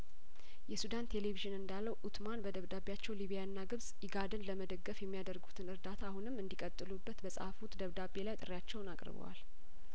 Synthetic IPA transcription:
jɛsud̪ant̪ʰe̞leviʒɨnɨnd̪alːəwʔut̪manbəd̪əβd̪abjat͡ʃːɛwliβijanːaɡɨβzʼ | iɡad̪ɨnləməd̪əɡːəfjɛmːijad̪əɾɡut̪ʰɨnɨɾd̪at̪ʰaːhunɨmɨnd̪ikʼət̪ʼːɨlubːət̪bəsʼa̰fut̪d̪əβd̪abe̞lajt̪ʼɨɾjat͡ʃːɛwnakʼɾɨ̰βə̰wa̰l

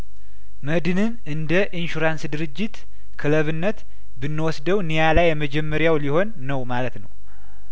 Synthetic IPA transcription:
məd̪ɨnɨn | ɨnd̪əʔinʃuɾansd̪ɨɾɨd͡ʒːit̪ | kʰɨləβɨnːət̪ | bɨnːəwɔsd̪əwnijalajːɛməd͡ʒɛmːəɾjawliho̞nːəwmalət̪nəw

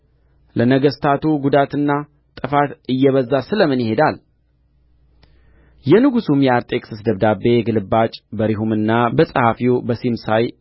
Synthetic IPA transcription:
lənəɡəst̪ʰat̪ʰuɡud̪at̪ɨnːa | t̪ʼɨfat̪ɨjːɛβəzːasɨləmɨnjɪɦe̞d̪al | jɛnɨɡusumjɛaɾt̪ʼe̞kʼsɨsd̪əβd̪abe̞ɡɨlɨbːat͡ʃʼbəɾiɦumɨnːabəsʼəhafiobəsimsaj

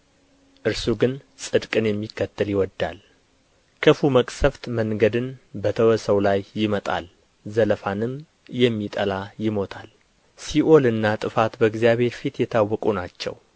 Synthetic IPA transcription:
ʔɨɾsuɡɨnsʼɨd̪kʼɨnjɛmːikʰːət̪ːəljɪwɔd̪ːa̰l | kʰəfuməkʼsəft̪məŋɡəd̪ɨnbət̪ʰəwəsəwlajːɪmət̪ʼa̰l | zələfanɨm | jɛmːit̪ʼəlajɪmo̞t̪ʰal | siʔo̞lɨnːat̪ʼɨfat̪bəɨɡzijaβhe̞ɾfit̪jɛt̪ʰawːɔkʼunat͡ʃːɛ̰w

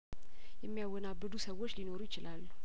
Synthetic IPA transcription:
jɛmːijawːɔnabːɨd̪usəwːo̞t͡ʃːlino̞ɾujɪt͡ʃɪlalːu

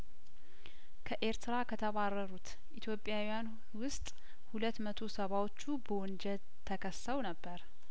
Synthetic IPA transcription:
kʰəʔe̞ɾt̪ɨɾakʰət̪ʰəβarːəɾut̪ | ʔit̪ʰjo̞pʼːjawijan | wʊst̪ʼ | hulət̪ːmət̪ʰo̞səβawot͡ʃːubəwɔnd͡ʒɛl | t̪ʰːəkʰəsːəwnəbːəɾ

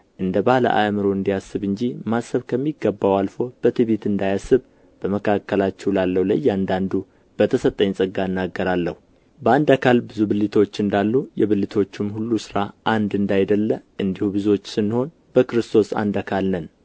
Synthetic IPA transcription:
ʔɨnd̪əbahlə̰ʔa̰mɨɾo̞ɨnd̪ijasːɨβɨɲd͡ʒimasːəβkʰəmːiɡːəbːawalfo̞b̥ət̪ʰɨβet̪ɨnd̪ajasːɨβ | b̥əməkʰakːəlat͡ʃːɛwlalːəwlə̰jːand̪and̪u | b̥ət̪ʰəsət̪ʼːəɲːsʼəɡːaɨnːaɡːəɾalːəhu | bəand̪akʰalbɨzubɨlɨt̪ʰo̞t͡ʃːɨnd̪alːujɛβɨlit̪ʰo̞t͡ʃːɪmhulːusɨɾaʔand̪ɨnd̪ajd̪əlːəʔɨnd̪ihubɨzuot͡ʃːsɨnːho̞n | b̥əkɨɾɨst̪ʰo̞sa̰nd̪akʰalnən

